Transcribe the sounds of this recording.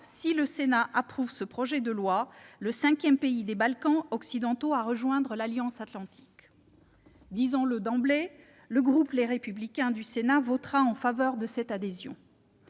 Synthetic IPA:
siləsenaʔapχuvsəpχɔʒɛd̪əlwaləsɛ̃kʲjɛmpeid̪ebalkɑ̃ɔksid̪ɑ̃t̪oaʁəʒwɛ̃d̪ʁəlaljɑ̃sat̪lɑ̃t̪ʰi̥k | d̪izɑ̃ləd̪ɑ̃ble | ləɡʁupleʁepyblikʲɛ̃d̪ysenavɔt̪χaɑ̃favœʁd̪əsɛt̪ad̪ezjɔ̰̃

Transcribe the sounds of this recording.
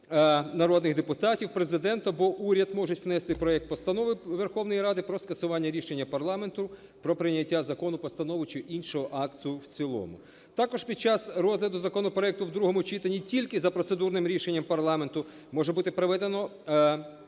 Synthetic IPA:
nɐɾɔd̪nɪɣd̪epʊt̪ɑtʲiwpɾe̞zɪd̪ɛnt̪ɔbɔʔuɾʲɐd̪mɔʒʊtʲwnɛst̪ɪpɾɔɛk̚t̪̚pɔst̪ɐnɔʋɪʋerxɔwnɔjiɾɑd̪ɪpɾɔskɐsʊʋɑnʲːɐɾʲiʃe̞nʲːɐpɐrlˠɑme̞nt̪ʊ | pɾɔpɾɪnʲːɐtʲːazɐkɔnʊpɔst̪ɐnɔʋʊt͡ʃɪʔinʃɔɦɔʔɑkt̪ʊwt͡sʲilˠɔ̰mʊ̰ | t̪ɑkɔʒpʲid̪̚t͡ʃɑsɾɔzʲlʲɐd̪ʊzɐkɔnɔpɾɔɛk̚t̪ʊwd̪ɾuɦɔmʊt͡ʃit̪ɐnʲitʲilʲkɪzɐpɾɔt̪sed̪urnɪmɾʲiʃe̞nʲːɐmpɐrlˠɑme̞nt̪ʊ | mɔʒɛbut̪ɪpɾeʋɛd̪enɔ

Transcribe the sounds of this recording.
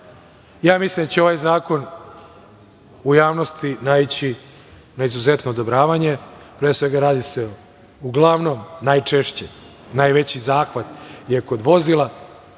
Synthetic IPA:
jaːmislind̪at͡ɕeo̞ʋajzaːko̞n | ujaːʋno̞st̪inait͡ɕi | naizuze̞t̪no̞ːd̪obɾaːʋaɲe̞pɾeːsʋe̞ɡaɾaːd̪ise | uɡlˠaʋno̞mnajt͡ʂeʃt͡ɕe | najʋe̞t͡ɕizaːxʋat̪jeko̞d̪ʋo̞zilˠa

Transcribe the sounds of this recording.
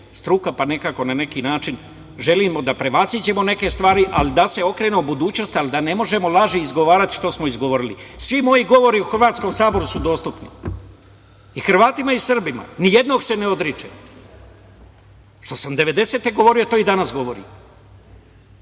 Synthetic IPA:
st̪ɾukapane̞kako̞nane̞kinaːt͡ʃin | ʒe̞limo̞d̪apɾe̞ʋazid͡ʑe̞mone̞ke̞st̪ʋaːɾiʔa̰lid̪ase̞o̞kɾe̞ːneubud̪uːt͡ɕnost̪alid̪ane̞mo̞ʒe̞molˠaʒiːzɡo̞ʋaːɾat̪i̥ʃt̪osmoizɡoʋo̞ɾilisʋimo̞jiɡo̞ʋo̞ɾiuxrʋaːt̪sko̞msaːbo̞ɾusud̪o̞ːst̪upnḭ | ixr̩ʋaːt̪imaisr̩bima̰nije̞d̪no̞ːɡse̞neo̞d̪ɾit͡ʃḛ | ʃt̪o̞samd̪e̞ʋe̞d̪e̞se̞t̪e̞ɡo̞ʋo̞ɾijo̞t̪o̞ːid̪anasɡo̞ʋo̞ɾḭ

